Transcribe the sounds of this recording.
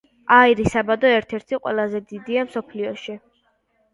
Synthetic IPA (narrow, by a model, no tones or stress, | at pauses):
aiɾisabad̪ɔɛɾt̪ʰɛɾt̪ʰiqʼwɛ̰lˠazɛd̪id̪iamsɔpʰliɔʃi